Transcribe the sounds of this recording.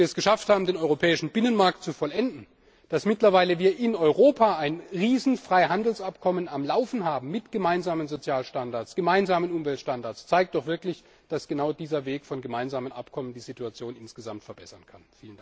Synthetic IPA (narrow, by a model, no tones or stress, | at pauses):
iːɐɛsɡ̥əʃafthaːbm̩deːnɔʏʁopʰɛːɪʃn̩bɪnənmaɐk̚tt͡sufɔlʔɛndn̩ | d̥asmɪtlɐvaɪləviːɐʔɪnɔʏʁoːpʰaaɪnʁiːzn̩fʁ̥aɪɦandl̩sʔapkʰɔmənamlaʊfn̩ɦaːbm̩mɪtɡ̥əmaɪnzaːmənzot͡sjaːlʃtandaɐt͡ssɡ̥əmaɪnzaːmənʔʊmvɛltʃtandaɐt͡sst͡saɪk̚td̥ɔχv̥ɪɐklɪç | d̥asɡ̥ənaʊdiːzɐveːkfɔnɡəmaɪnzaːmənʔa̰pkʰɔməndiːzituat͡sjoːnʔɪnsɡ̥əzamtfɛɐb̥ɛsɐnkʰanfiːlənda